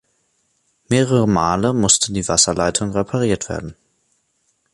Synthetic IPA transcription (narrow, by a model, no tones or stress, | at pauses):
meːʁəʁəmaːləmʊstʰədiːvasɐlaɪtʰʊŋʁepʰaʁiːɐtv̥ḛːɐdn̩